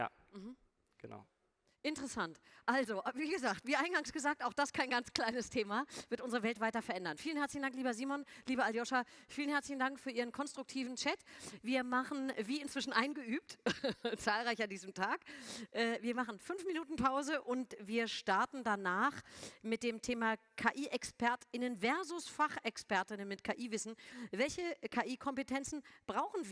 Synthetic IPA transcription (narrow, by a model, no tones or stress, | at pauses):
ja̰ː | m̩ɦm̩ | ɡ̥əna̰ʊ | ʔɪntəʁəsantʔalzoviːɡəzaːktv̥iːʔaɪnɡaŋsɡ̥əzaːk̚taʊxd̥askʰaɪnɡant͡skʰl̥aɪnəstʰeːmav̥ɪɐtʔʊnzəʁəvɛltv̥aɪtɐfɛɐʔɛndɐnfiːlən̩ɛɐt͡slɪçn̩daŋkliːbɐziːmɔnliːbəaljɔʃafiːlənhɛɐt͡slɪçn̩daŋkfyːɐiːʁ̞ənkʰɔnstʁ̥ʊk̚tʰiːvn̩t͡ʃɛtv̥iːɐmaχn̩viːɪntv̥ɪʃn̩ʔaɪnɡəʔyːp̚tt͡saːlʁaɪçandiːzəmtʰaːkʔɛːviːɐmaχn̩fʏnfminuːtn̩pʰaʊzəʔʊntviːɐʃtaɐtn̩danaːχmɪt̚d̥eːmtʰeːmakʰaːʔiːʔɛkspɛɐtɪnənvɛɐzʊsfaχɛkspɛɐtɪnənmɪtkʰaːʔiːvɪsn̩vɛlçəkʰaːʔiːkʰɔmpətʰɛnt͡sn̩b̥ʁaʊxn̩v